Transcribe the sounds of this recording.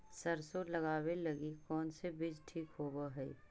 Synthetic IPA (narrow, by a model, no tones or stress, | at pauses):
sɐɾsoːɾlɐɡaːwelɐɡikɔːnsebɪd͡ʒʈʰiːkɦoːbaɦɛḭ